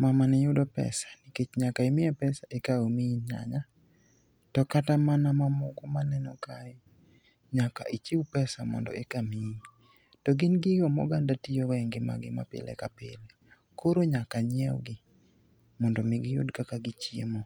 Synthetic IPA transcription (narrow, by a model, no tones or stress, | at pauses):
mamanɪjʊdɔpɛ̰sḁniket͡ʃɲakaemɪɛpɛsaʔekaomiɲa̰ɲa | tɔkatamanamamɔkɔmanɛnɔkaɛ | ɲaka̰ʔit͡ʃiwupɛsamɔ̰ndɔ̰ʔekami | tɔɡɪnɡɪjɔmɔ̰ɡandatijowɛŋɡɪma̰ɡɪ̰ma̰pɪ̰lɛ̰kapɪ̰le | koɾoɲakaɲɛɔ̰ɡɪ | mɔndɔmɪɡɪjʊ̰dkakaɡɪt͡ʃjḛmo